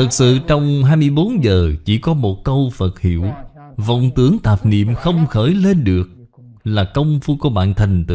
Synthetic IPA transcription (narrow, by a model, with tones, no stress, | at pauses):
t̪ʰɨ˨˩k̚sɨ̰˧˨t͡ɕɔ˧wŋ͡mɦaː˧jmɨ˧əjɓo˨˦nzəː˨˩t͡ɕi˧˩kɔ˨˦mo˨˩t̚kə˧wfə˨˩t̚hi˧˩əw | və̰˧˨wŋ͡mt̪ɨ˨˦əŋt̪aː˨˩p̚nḭ˧˨əmxə˧wŋ͡mxəː˧˩jle˧nɗɨ˨˩ək̚ | laː˨˩kə˧wŋ͡mfu˧ku˧˩əɓa̰ː˧˨nt̪ʰa˨˩jŋ̟t̪ɨ̰˧˨˦